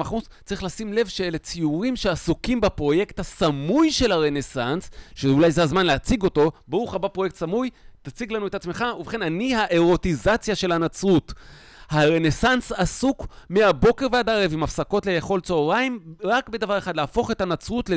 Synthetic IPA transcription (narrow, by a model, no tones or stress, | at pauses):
aχmus | t͡saʁiχlasimle̞vʃeelet͡sijuʁimʃeasukimbapʁo̞je̞kt̪hasamujʃe̞lhaʁe̞ne̞sansʃeulajzeazmanleat͡siɡo̞to̞baʁuχabapʁoje̞k̚t̪samujt̪at͡siɡlanuetat͡sme̞χauveχe̞nanihaʔe̞ʁo̞t̪izat͡sjaʃe̞lanat͡sʁut | haʁe̞ne̞sansasukmeabo̞ke̞ʁvead̪aʁevimafsako̞tlejeχo̞lt͡soːʁaimʁakbe̞d̪avaʁeχad̪leafo̞χe̞tanat͡sʁutle